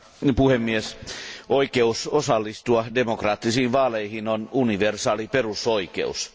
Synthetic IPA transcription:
puhemːiesʔoikeusosɑlːist̪uɑdemokrɑːt̪ːisiːnʋɑːleihinonuniʋersɑːliperusoikḛus

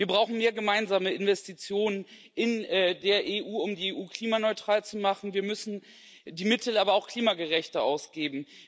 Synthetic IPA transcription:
viːɐbʁaʊxn̩meːɐɡəmaɪnzaːməɪnvɛstit͡sjoːnən | ɪnɛdeːɐʔeʔuːʊmdiːeʔuːkl̥iːmanɔʏtʁ̥aːlt͡sumaχn̩viːɐmʏsn̩ | diːmɪtl̩aːbɐaʊxkl̥iːmaɡəʁɛçtəʔaʊsɡ̥eːbm̩

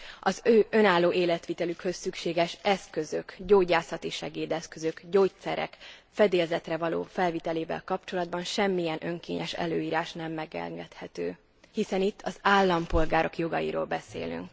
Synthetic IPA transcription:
ɒzøːʔø̞naːlːoːʔeːlɛt̪ʋit̪ɛlykhø̞sːykʃeːɡɛʃɛskø̞zø̞kɟoːɟaːsɒt̪iʃɛɡeːd̪ɛskø̞zøkɟoːc̚t̪sɛɾɛ̰kfɛd̪eːlzɛt̪rɛvɒlo̰ːfɛlvit̪ɛleːvɛ̰lkɒpt͡ʃo̞lɒd̪̚bɒnʃɛmːijɛnʔø̞ŋkḛːɲɛ̰ʃɛ̰løːiːɾaːʃnɛmːɛɡɛ̰ŋɡɛt̪hɛt̪øː | hisɛnit̪ʰːɒzaːlːɒmpo̞lɡaːɾo̞kjo̞ɡɒ̰jḭɾo̰ːlbɛsḛːly̰ŋk

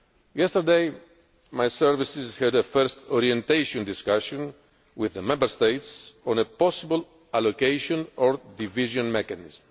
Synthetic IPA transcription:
jɛst̪əɾd̪ej | majsɛɾvisizhɛd̪əfɛɾst̪ɔɾiẽnt̪ejʃõnd̪iskaʃõn | wiðəmɛ̃mbəɾst̪ejt̪sõnəpɔsibəl | alokejʃõnɔɹd̪iviʒõnmɛkanḭzm

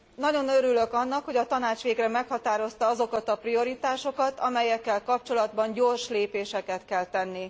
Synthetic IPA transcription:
nɒɟo̞nøɾylø̞kɒnːɒkho̞ɟɒt̪ɒnaːt͡ʃʋeːɡrɛmɛkhɒt̪aːɾo̞st̪ɒɒzo̞kɒt̪ɒprio̞ɾit̪aːʃo̞kɒt̪ɒmɛjɛkːɛlkɒp̚t͡ʃo̞lɒd̪bɒɲɟoːrʃleːpeːʃɛkɛt̪kɛlt̪ɛnːi

